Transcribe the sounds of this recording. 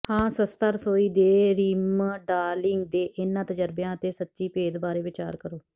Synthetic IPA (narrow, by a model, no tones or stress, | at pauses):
hãːsəst̪əɾsoːiːd̪eːɾiːmɖaːlɪŋɡd̪eːʔɪnːãːt̪əd͡ʒəɾbjãːət̪eːsətːʃiːpeːd̪baːɾeːʋɪt͡ʃa̰ːɾkəɾoː